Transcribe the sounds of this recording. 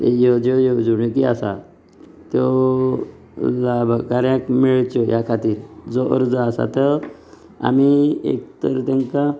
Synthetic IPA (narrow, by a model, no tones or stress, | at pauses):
ejɔd͡ʒɔjɔd͡zuɳokiasa̰ | t̪jo | labʱakaɾjãkmeɭt͡ʃɔjakʰat̪iːɾd͡zɔʔə̰ɾd͡zaːsa̰t̪ə | a̰miḛk̚t̪əɾt̪ãŋka